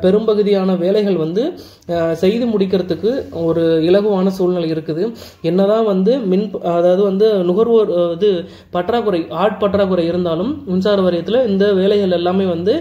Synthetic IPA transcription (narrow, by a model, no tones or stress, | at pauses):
pɛɾɯmbɐɣɯðɪjaːnɐʋeːlɐɪɣɐɭʋɐnd̪ɯ | sɛjðɯmʊɽɪk̬ːɪɾɐt̪ːɯkːɯɔɾɯɪɭɐɣɯʋaːnɐsuːlnɪlɐɪɪɾɯkːɐðɯ | ɛnːɐðãːʋɐnd̪ɯmɪnɐðaːʋɐðɯʋɐnd̪ɯnʊɣɐɾʋoɾðɯ | pɐʈːɾaːɣɯɾɐɪʔaːɾʈ̚pɐʈːɾaːkɯɾɐɪɪɾɯnd̪aːlɯmʊnsaːɾɐʋɐɾɐjɐt̪ːɪlɐɪnd̪ɐʋeːlɐɪɣɐɭɛlːaːmeːʋɐnd̪ɯ